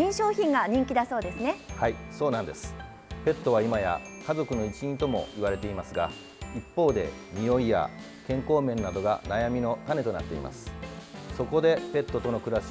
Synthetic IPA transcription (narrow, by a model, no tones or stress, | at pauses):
ĩɰ̃ɕo̞ːçĩŋɡaɲ̟ĩŋkʲid̪aso̞ːd̪e̞sɨne̞haiso̞ːnãnd̪e̞sɨ̥ | pe̞t̪ːo̞β̞aimaja̰ | kazo̞kɯ̟no̞it͡ɕiɲit̪o̞mo̞̰iβaɾe̞t̪e̞imasɨɡa | ipːo̞ːd̪e̞̰mʲio̞ija̰ | kẽ̞ŋko̞ːmẽ̞nːad̪o̞ɡa̰najamʲino̞t̪ane̞t̪o̞na̰t̪ːe̞̰ḭmʔa̰sɨ̥so̞ko̞d̪e̞pe̞t̪ːo̞t̪o̞no̞kɯ̟ɾaɕ